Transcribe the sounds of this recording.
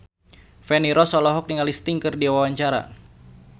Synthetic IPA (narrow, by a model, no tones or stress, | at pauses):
fɛniɾɔsɔlɔɦɔk̚niŋalist̪iŋkɨrdiawawaɲt͡ʃaɾa̰